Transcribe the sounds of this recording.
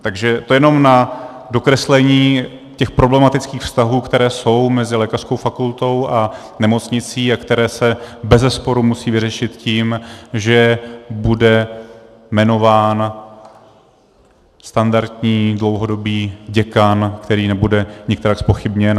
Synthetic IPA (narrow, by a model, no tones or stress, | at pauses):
t̪aɡʒɛt̪ojɛno̞mna | do̞kɾɛslɛɲiː | cɛxpɾo̞blɛmat̪ɪt͡skiːxfst̪aɦuːkt̪ɛɾɛːso̞wmɛzɪlɛːkarsko̞wfakult̪o̞wʔa | nɛmo̞t͡sɲɪt͡siːakt̪ɛɾɛːsɛbɛzɛspo̞ɾumusiːvɪrɛʃɪt̪ciːmʒɛbudɛ | mɛno̞vaːn | st̪andaɾt̪ɲiːdlo̞wɦo̞do̞biːɟɛkankt̪ɛɾiːnɛbudɛɲɪkt̪ɛɾakspo̞xɪbɲɛn